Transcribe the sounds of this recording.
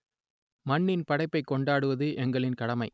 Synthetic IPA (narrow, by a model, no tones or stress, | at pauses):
mɐɳːɪnpɐɽɐɪpːɐɪkːɔɳɖaːɽɯʋɐðɯʔɛŋɡɐɭɪnkɐɽɐmɐɪ